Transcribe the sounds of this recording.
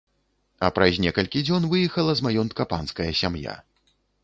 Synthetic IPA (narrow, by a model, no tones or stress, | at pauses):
ɐpɾɐzʲnʲɛkɐlʲkʲid͡zʲɔnvɨjɛxɐlˠɐzmajɔnt̪̚kɐpanskɐjɐsʲamja̰